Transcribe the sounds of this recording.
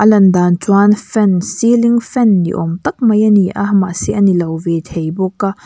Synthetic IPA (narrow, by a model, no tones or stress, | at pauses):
ʔɐlɐnd̪antwanfɛnsiliŋfɛnːḭʔɔ̰mt̪ɐk̚mɐjɐniʔɐhma̰ʔsiʔɐnilɐwvet̪ʰejbɔkːa